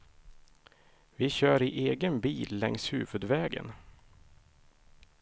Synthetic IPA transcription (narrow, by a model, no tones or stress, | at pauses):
vɪɕœːɾɪʔeːɡənbiːlːɛŋshʉ̟ːvɵd̪vɛːɡə̰n